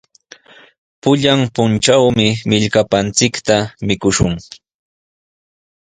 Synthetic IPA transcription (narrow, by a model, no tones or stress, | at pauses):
pʊʎampʊnt͡ʃawmɪmɪʎkapant͡sɪkt̪amɪkʊʃʊŋ